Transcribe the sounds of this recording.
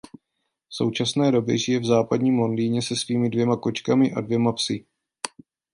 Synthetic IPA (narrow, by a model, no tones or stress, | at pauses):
fso̞wt͡ʃasnɛːdo̞bjɛ̰ʒɪjɛvzaːpadɲiːmlo̞ndiːɲɛsɛsviːmɪdvjɛmako̞t͡ʃkamɪʔa̰dvjɛmapsɪ